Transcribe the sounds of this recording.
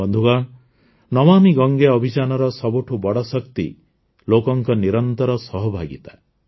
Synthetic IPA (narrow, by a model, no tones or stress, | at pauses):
ɔnd̪ʱuɡaɳ | nɔmamiɡɔŋɡeɔbʱid͡ʒanɔɾɔsɔbuʈʰubɔɽɔsɔkt̪ḭ | lokɔŋkɔniɾɔnt̪ɔɾɔsɔɦɔbʱaɡḭt̪a